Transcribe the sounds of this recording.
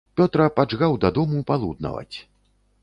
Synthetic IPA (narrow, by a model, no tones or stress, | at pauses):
pʲɔt̪ɾɐpad͡ʐɣawd̪ɐd̪ɔmupalˠṵd̪̚nɐ̰vɐ̰t͡sʲ